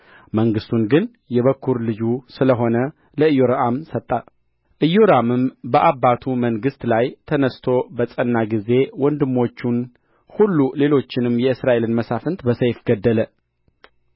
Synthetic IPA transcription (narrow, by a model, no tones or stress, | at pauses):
məŋɡɨst̪ʰunɡɨn | jɛβəkʰːuɾlɨd͡ʒusɨləɦo̞nə | ləɨjoɾaʔamsət̪ʼːa | ʔɨjoɾamɨmbəʔaβːat̪ʰuməŋɡɨst̪lajt̪ʰənəst̪ʰo̞bəsʼənːaɡize̞wɔnd̪ɨmːo̞t͡ʃːun | hulːule̞lo̞t͡ʃːɪnɨmjɛɨsɾaʔe̞lɨnməsafɨnt̪bəsəjfɡəd̪ːələ